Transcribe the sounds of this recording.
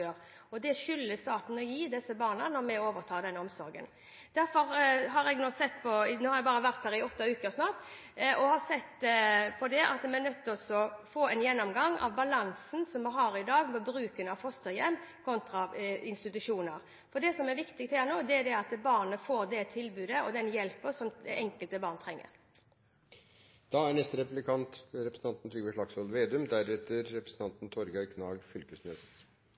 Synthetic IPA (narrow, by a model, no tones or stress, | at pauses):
øːʁ | ɔd̪ɛʃʏlːəst̪ɑːt̪n̩ɔjiːd̪ɛsːəbɑːʁnənɔɾmɛoːʋəɾt̪ʰɑːd̪ɛnːɔmsɔɾɡə̰n | d̪̥æɾfɔɾɦɑɾɛɡnoːsɛt̪ːpʰɔnoːhɑɾjɛɡbɑːɾəʋæɾt̪̚hæːɾɪɔt̪ːɑʉːkəɾsnɑːt̪ | ʔɔhɑsɛt̪ːpʰɔd̪ɛʔɑ̰t̪mɛɛɾnœt̪ːɔsɔfoːɛnjɛnːɔmɡɑŋːɑ̰ʋbɑlɑnsn̩sɔmʋɪɦɑːɾɪd̪ɑːɡmɔbɾʉːkənɑʋfɔst̪əjɛmːkʰɔnt̪ɾɑɪnst̪ɪt̪ʉʂuːnəɾ | fɔɖ̪ɛsɔmæʋɪkt̪ɪk̚t̪hæːɾnoːd̪ɛæd̪ɛɑt̪bɑʁnəfoːɾd̪ɛt̪ʰɪlbʉːd̪əɔd̪ɛnjɛlpəsɔmʔɛŋkəlt̪əbɑːʁnt̪ʰɾɛŋːə̰ɾ | d̪̥ɑːæɳɛst̪əɾɛpʉblɪkʰɑnt̪ɾɛpɾəsn̩ɑnt̪nt̪ʰɾiːʋəʂɭɑksɔlʋeːd̪ʉmd̪æɾɛt̪əɾːɛpɾəsn̩t̪ʰɑnt̪n̩t̪ʰɔɾɡɑɾkʰnɑːɡfʏlkəsnøːt̪ə